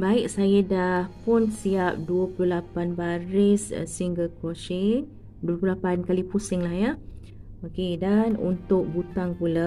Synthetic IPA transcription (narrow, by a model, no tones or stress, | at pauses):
baɪk̚sajadahpʊnsiap̚duəpluhlapanbaɾɪssiŋɡəlkoʃi | duəplulapankalipusɪŋlahja | okedanṵnt̪ʊk̚but̪aŋpula